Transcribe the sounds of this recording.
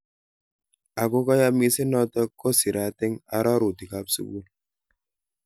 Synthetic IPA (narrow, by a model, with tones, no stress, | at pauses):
a˨ko˦kɔ˦ja˦mi˦si˦nɔ˦tə˦kɔ˦si˨ɾa˨˦te˦ŋa̰˨ɾa˦ɾu˨ti˨ka˦p̚sḭ˦bu˦l